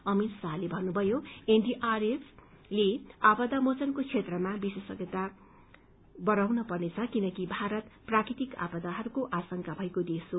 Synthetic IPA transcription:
ʌmit̪saɦlebʱʌnːubʱʌjoenɖiʔares | leabʌd̪amot͡sʌnkot͡sʰet̪rʌmabisesʌɡʌt̪a | bʌɾawnʌpʌrnet͡sʰʌkinʌkibʱaɾʌt̪prakrit̪ika̰bʌd̪aɦʌɾukoʔasʌŋkabʱʌekod̪eso

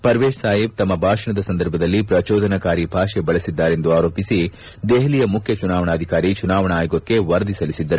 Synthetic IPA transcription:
pɐɾʋeːʃsaːjibt̪ɐmːɐbʱaːʂɐɳɐd̪ɐsɐnd̪ɐɾbʱɐd̪ɐlːipɾɐt͡ʃɔːd̪ʱɐnɐkaːɾibʱaːʂebɐɭɐsid̪ːaːɾe̞nd̪uaːɾoːpisi | d̪eɦlijɐmukʰjɐt͡ʃunaːʋɐɳɐːd̪ʱikaːɾit͡ʃunaːʋɐɳaaːjuɡɐkːe̞ʋɐɾd̪isɐlisid̪ːɐɾu

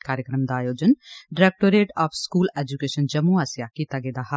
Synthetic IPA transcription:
kaːɾjəkɾəmd̪aːjoːd͡ʒənɖɪɾɛːk̚ʈoːɾeːʈaːpʰskuːlɛːd͡ʒukeːʃənd͡ʒəmũːaːsjaːkiːt̪aːɡeːd̪aːha

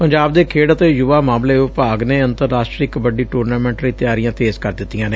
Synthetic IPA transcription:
pəɲd͡ʒaːbd̪eːkʰeːɽət̪eːjʊʋaːmãːmleːʊpaːɡneːənt̪əɾːaːsʈɾiːkbəɖiːʈuːɾnaːmɛ̃ːɳʈɾiːt̪ɪjaːɾijãːt̪eːzkəɾd̪ɪt̪ːijãːneː

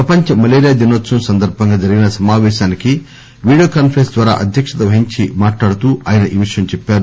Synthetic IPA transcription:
pɾɐpɐɲt͡ʃɐmɐleːɾjaːd̪inot̪sɐmsɐnd̪ɐɾbʱɐŋɡaːd͡ʒɐɾiɡinɐsɐmaːʋɛːʃaːniki | ʋiːɽijoːkaːnpʰɾensd̪ʋaːɾa̰ːʔɐd̪ʱjɐkʂɐt̪ɐʋɐɦiɲt͡ʃimaːʈlaːɽut̪uːaːjɐnɐʔiːʋiʂɐjɐmt͡ʃɛpːaːɾu

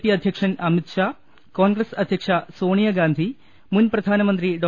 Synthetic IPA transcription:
piɐd̪ʱjɐkʂɐnɐmit̪ʂaː | koːnɡɾɐsɐd̪ʱjɐkʂasoːɳijɐɡaːnd̪ʱi | munpɾɐd̪ʱaːnɐmɐnt̪ɾiɖoː

